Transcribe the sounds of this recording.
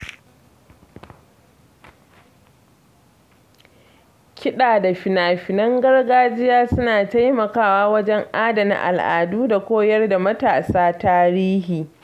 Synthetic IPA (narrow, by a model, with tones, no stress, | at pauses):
kʲɪ˦ɗaː˨da˨ɸɪ˨naː˨ɸɪ˨nɐ˦ŋɡɐ˦rɡaː˦d͡ʒɪ˦jaː˦sʊ˦naː˨ta˦jmɐ˨kaː˦˨waː˦wɐ˦d͡ʒɛ˦ŋʔaː˦da˨na̰˨ʔa̰˨lʔa̰ː˨duː˦da˨kʷoː˦jɐ˦rda˨mɐ˦taː˨saː˦taː˦ɾiː˦hiː˨